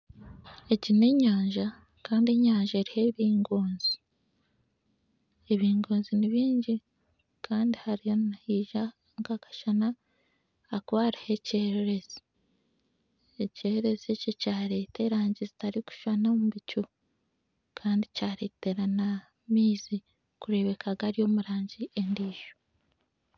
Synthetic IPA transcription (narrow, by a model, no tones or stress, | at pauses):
e̞cine̞ɲaːɲʒa | kaːndie̞ɲaːɲʒaeɾihe̞βiːŋɡo̞ːnzi | eβiːŋɡo̞ːnziniβiːɲɟi | kʰaːndihaɾijo̞nahiːʒa | ŋɡakḁʃanaː | kwaːɾahe̞ceɾeɾe̞zi̥ | eceɾeɾe̞zececaːɾe̞ːte̞ɾaːɲɟizitaɾiku̥ʃanomuβicu | kʰaːndicaːɾe̞ːte̞ɾana | miːzi | kuɾe̞βe̞kʰaɡaɾijo̞ːmuɾaːɲɟiendiːʒo̥